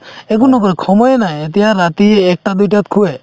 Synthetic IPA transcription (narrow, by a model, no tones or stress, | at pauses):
ekunːɔkɔɾekʰɔmɔjenaẽet̪ɛjaɾat̪ieːk̚ʈad̪ujʈat̪̚kʰue